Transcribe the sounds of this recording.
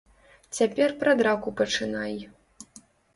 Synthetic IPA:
t͡sʲapʲɛrpɾɐd̪ɾakupɐt͡ʂɨnaj

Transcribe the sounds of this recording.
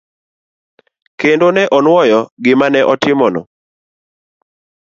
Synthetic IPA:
kendonɛʔɔnwɔjɔɡɪmanɛʔɔtɪmɔnɔ̰

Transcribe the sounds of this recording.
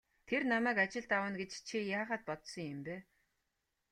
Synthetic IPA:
t̪ʰernamæːkat͡ɕɪ̆ɮt̪awə̆nɡet͡ɕt͡ɕʰijaːχaːt̪̚pɔt̪sɞ̆ŋjɪmpæː

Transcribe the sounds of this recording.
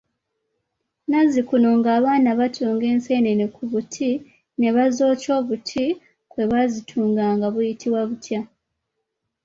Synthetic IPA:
nazikuno̞ŋɡaːβaːnaβatʰoːŋɡe̞ːnse̞nenekʰuβutʰi | ne̞βazo̞ːco̞ːβutʰi | kwe̞βazitʰuːŋɡaːŋɡaβujitʰiβwaβutja

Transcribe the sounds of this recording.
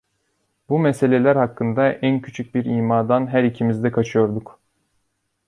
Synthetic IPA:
bumɛse̞lʲelʲæɾɦakːɯnd̪aʔæncʰy̥t͡ʃʰyc̚biɾiːmaːd̪anɦæɾicʰimizd̪ɛkʰat͡ʃʰɯjo̞ɾd̪uk

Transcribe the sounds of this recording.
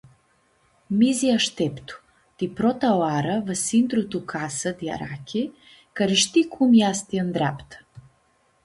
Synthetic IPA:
miziaʃt̪ɛpt̪u̥ | t̪ipɾɔt̪aoaɾəvəsind̪ɾut̪ukʰasəd̪ia̰ɾa̰kʰʲi | kaɾiʃt̪ikʰumjast̪iand̪ɾapt̪ə̥

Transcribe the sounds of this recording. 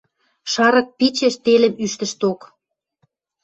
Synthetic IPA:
ʃɑɾɤ̆k̚pit͡ɕeʃt̪elə̆myʃt̪ə̆ʃt̪ok

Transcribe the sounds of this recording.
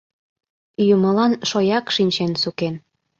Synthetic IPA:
yjuməlɑnʃojɑkʃinʲt͡ɕensuken

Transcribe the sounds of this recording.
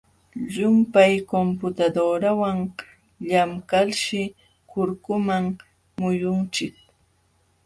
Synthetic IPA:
ʎʊmpajkompʊt̪ad̪oɾawaŋ | ʎamkalʃɪ | kʊɾkʊmaŋ | mʊjʊnt͡ʃɪk̚

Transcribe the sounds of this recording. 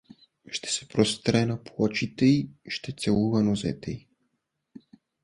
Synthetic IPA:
ʃt̪ɛ̥sɛ̥pɾɔst̪ɾɛnaplˠɔt͡ʃit̪ɛiʃt̪ɛt̪sɛlˠuvanɔzɛ̰t̪ɛi

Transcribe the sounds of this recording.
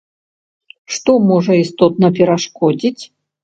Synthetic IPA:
ʂt̪ɔmɔʐɐist̪ɔt̪̚nɐpʲɛɾaʂkɔd͡zʲit͡sʲ

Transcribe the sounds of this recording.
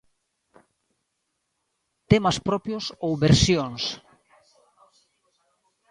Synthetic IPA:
t̪emɐspɾɔpjosowβeɾsjoŋs

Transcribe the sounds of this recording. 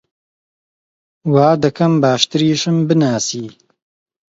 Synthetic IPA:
waːd̪ɐkʰɐmbaːʃt̪ɨɾiːʃɨmbɨnaːsiː

